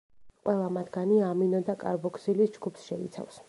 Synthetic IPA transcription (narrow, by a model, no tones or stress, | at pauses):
qʼwɛlˠamat̪ʰɡ̥aniaminɔd̪akʼa̰ɾbɔkʰsilisd͡ʒɡupsʃɛḭt̪sʰa̰fs